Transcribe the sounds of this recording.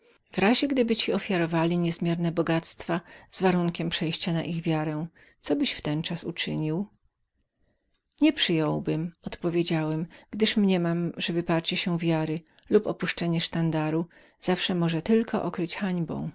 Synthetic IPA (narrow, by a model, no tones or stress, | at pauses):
vɾaʑɛɡd̪ɘbɘt͡ɕiɔfʲjaɾɔvalʲiɲɛzmʲjɛɾnɛbɔɡat̪st̪fazvaɾuŋkʲɛmpʂɛjɕt͡ɕana̰ʔiɣvʲjaɾɛ̃ | sɔbɘɕft̪ɛnt͡ʂasut͡ʂɘɲiw | ɲɛpʂɘjɔ̃wbɘmɔt̪pɔvʲjed͡ʑawɛmɡ̥d̪ɘʂmɲɛmamʐɛvɘpaɾt͡ɕɛɕɛvʲjaɾɘ | lupɔpuʂt͡ʂɛɲɛʂt̪and̪aɾu | z̥afʂɛmɔʐɛt̪ɘlkɔʔɔkɾɘt͡ɕxaɲbɔ̰̃w̃